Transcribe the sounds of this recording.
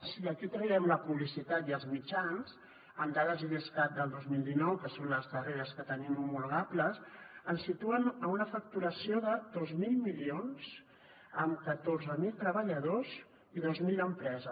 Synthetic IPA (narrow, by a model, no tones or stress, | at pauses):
siəkit̪ɾəβɛmləpuβlisit̪at̪jəlˠzmit͡ʃanz | əmd̪aðəziðiskat̪̚d̪əlˠd̪ozmilˠd̪inɔwkəsonləzðəreɾəskət̪ənimimulɣapləsənsit̪uənəunəfək̚t̪uɾəsioðəðozmilˠmilionz̥ | əmkət̪orzəmilˠt̪ɾəβəʎəðoz | iðozmiləmpɾɛzə